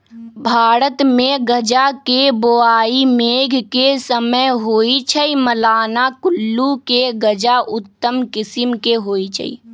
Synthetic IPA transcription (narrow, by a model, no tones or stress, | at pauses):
bʱaːɾət̪mẽɡəd͡ʒakeboaːimeːɡʱkesəməjɦoːit͡ʃʰəiməlaːnakʊlːukeɡəd͡ʒaʔʊt̪ːəmkɪsɪmkeɦoːit͡ʃʰə̰ḭː